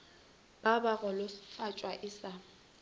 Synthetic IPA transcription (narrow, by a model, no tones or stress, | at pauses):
b̥abaɣɔlʊfat͡ʃʼwaʔɪsa